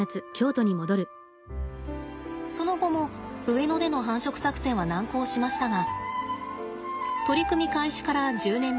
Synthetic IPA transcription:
at͡sɨkʲo̞ːt̪oɲ̟imo̞d̪o̞ɾɯ̟ | so̞no̞ɡo̞mo̞ɯ̟eno̞d̪e̞no̞ɦãɰ̃ɕokɯ̟̥sakɯ̥sẽ̞ɰ̃βanãŋko̞ːɕimaɕi̥t̪aɡa | t̪o̞ɾʲikɯ̟mʲikaiɕi̥kaɾad͡ʑɨːnẽ̞m

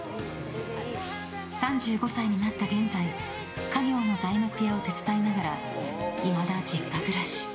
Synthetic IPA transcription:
sãɲd͡ʑɨːɡo̞saiɲ̟inat̪ːaɡẽ̞nd͡zai | kaɡʲo̞ːno̞zaino̞kɯ̟jao̞t̪e̞t͡sɨ̥t̪ainaɡaɾa | imad̪ad͡ʑikːakɯ̟ɾaɕi̥

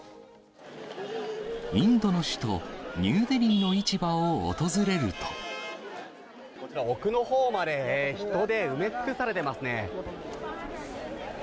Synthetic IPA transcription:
ĩnd̪o̞no̞ɕi̥t̪o̞̰ɲɨːd̪eɾʲĩnːo̞it͡ɕibao̰ːt̪o̞zɨɾe̞ɾɯ̟t̪o̞̥ | kot͡ɕiɾaokɯ̟no̞hoːmad̪e̞çi̥t̪o̞d̪e̞ɯ̟me̞t͡sɨ̥kɯsaɾe̞t̪e̞masɨne̞

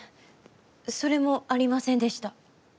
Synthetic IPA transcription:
so̞ɾe̞mo̞aɾʲimasẽ̞nd̪e̞ɕi̥t̪a

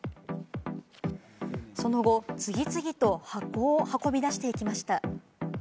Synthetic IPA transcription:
so̞no̞ɡo̞t͡sɨɡʲit͡sɨɡʲit̪o̞hakoːhako̞bʲid̪aɕi̥t̪e̞ikʲimaɕi̥t̪a

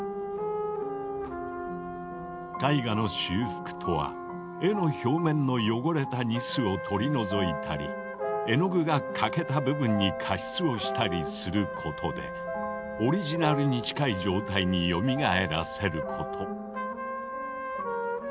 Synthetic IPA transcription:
kaiɡano̞ɕɨːɸɯ̥kɯ̟̥t̪ʰo̞βa̰ | e̞no̞ço̞ːmẽ̞nːo̞jo̞ɡo̞ɾe̞t̪aɲisɨo̞t̪ʰo̞ɾʲino̞zo̞it̪ʰaɾʲḭ | e̞no̞ɡɯ̟ɡakʰake̞t̪abɯ̟bɯ̟̃ɲ̟ːikʰaɕi̥t͡sɨo̞ɕi̥t̪aɾʲisɨɾɯ̟kʰo̞t̪ʰo̞d̪e̞̰ | o̞ɾʲiʑinaɾɯ̟ɲ̟it͡ɕi̥kaid͡ʑo̞ːt̪aiɲ̟ijo̞mʲiɡae̞ɾa̰se̞ɾɯ̟kʰo̞t̪ʰo̞

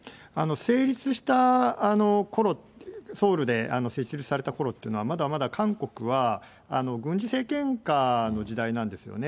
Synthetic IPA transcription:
ano̞se̞ːɾʲit͡sɨɕi̥t̪aːno̞ko̞ɾo̞tso̞ːɾɯ̟d̪e̞a̰no̞se̞ːit͡ɕiɾʲit͡sɨ̥saɾe̞t̪ako̞ɾo̞t̪ːeiɯ̟no̞amad̪aβmad̪akãŋko̞kɯ̟βa | ano̞ɡɯ̟̃ɲ̟d͡ʑise̞ːkẽ̞ŋkano̞ʑid̪ainãnd̪e̞sɨjo̰ne̞

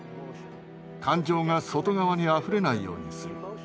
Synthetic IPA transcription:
kʰãɲd͡ʑo̞ːŋaso̞t̪o̞ɡaβaɲ̟iaɸɯ̟ɾe̞naijo̞̰ːɲ̟isɨɾɯ

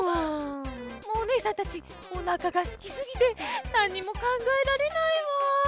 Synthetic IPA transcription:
moːnesãt̪at͡ɕi | onakaɡasɨ̥kʲisɨɡʲit̪e̞nãɲ̟ːimo̞kãŋɡae̞ɾaɾe̞naima

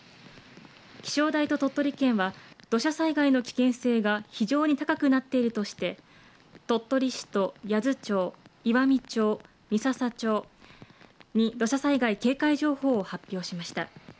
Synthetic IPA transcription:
kʲi̥ɕo̞ːd̪ait̪o̞t̪o̞t̪ːo̞ɾʲikẽ̞ɰ̃βad̪̥o̞ɕasaiɡaino̞kʲi̥kẽ̞ɰ̃se̞ːɡaçiʑo̞ːɲ̟it̪akakɯ̟nat̪ːe̞iɾɯ̟t̪o̞ɕi̥t̪e̞ | t̪o̞t̪ːo̞ɾʲiɕi̥t̪o̞jazɨt͡ɕo̞ːiβamʲit͡ɕo̞ː | mʲisasat͡ɕo̞ː | ɲ̟id̪o̞ɕasaiɡaike̞ːkaiʑo̞ːho̞ːhapʲːjo̞ːɕimaɕi̥t̪a̰

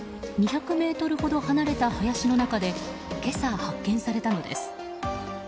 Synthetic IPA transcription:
ɲ̟içakɯ̟me̞ːt̪o̞ɾɯ̟ho̞d̪o̞hanaɾe̞t̪ahojaɕino̞nakad̪e̞ | ke̞sahakːẽ̞ɰ̃saɾe̞t̪ano̞d̪e̞̰sɨ̥

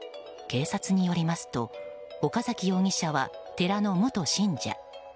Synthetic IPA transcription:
ke̞ːsat͡sɨɲ̟ijo̞ɾʲimasɨ̥t̪o̞ | o̞kazakʲijo̞ːŋʲiɕaβat̪e̞ɾano̞mot̪o̞ɕĩɲd͡ʑa̰

